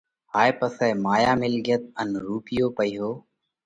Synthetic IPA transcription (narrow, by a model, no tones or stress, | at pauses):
haːeːpəsɛːmaːjaːmɪlɡjət̪̚ənɾuːpɪjoːpəiːɦoː